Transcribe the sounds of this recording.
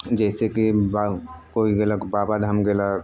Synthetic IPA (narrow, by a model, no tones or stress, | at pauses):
d͡ʒɛːsekibakoːiɡelaɡbaːbad̪ɦəmɡela